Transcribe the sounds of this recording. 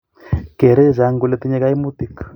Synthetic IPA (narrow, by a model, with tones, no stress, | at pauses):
ke˨ɾe˦˨za˨ŋɡu˨le˦t̪i˦ɲɛ˦ka˦i˦mu˦t̪i˦k